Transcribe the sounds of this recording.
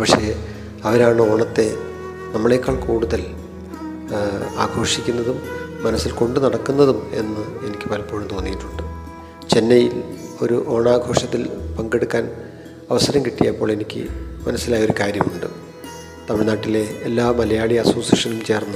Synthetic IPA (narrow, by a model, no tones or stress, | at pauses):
pɐkʂe̞ | ɐʋɐɾaːɳɨo̞ːɳɐt̪ːe̞ | nɐmːɐɭekːaːɭkuːɽuðɐl | a̰ːɡʱo̞ːʂikʲːunːɐðumːɐnɐsːilko̞ɳɖɨnɐɽɐkːunːɐðume̞̰nːɨe̞nikʲːɨ̥pɐlpoːɻumt̪o̞ːnːijiʈːu̥ɳɖɨ | t͡ɕe̞nːɐjilo̞ɾuʔo̞ːɳaːɡʱo̞ːʂɐt̪ːilpɐŋɡe̞ɽukːaːn | ɐʋɐsɐɾɐmkiʈːijɐpːo̞ːɭe̞nikʲːɨ̰mɐnɐsːilaːjɐo̞ɾukaːɾjɐmuɳɖɨ | t̪ɐmiɭnaːʈːile̞ːlːaːmɐlɐjaːɭijɐsoːsjɐʂɐnumt͡ɕe̞ːrnːɨ